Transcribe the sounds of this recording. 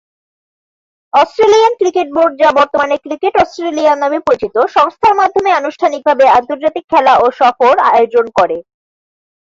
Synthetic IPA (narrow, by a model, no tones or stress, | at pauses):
ɔsʈɾelijankɾikeʈ̚boɾɖ̚d͡ʑabɔɾt̪omanekɾikeʈɔsʈɾelianamipoɾet͡ɕit̪oʃɔŋst̪ʰaɾmad̪ʱomeanuʃʈʰanik̚bʱabeant̪oɾd͡ʑat̪ikʰːɛlaʔoʃɔfoɾa̰od͡ʑonkɔɾe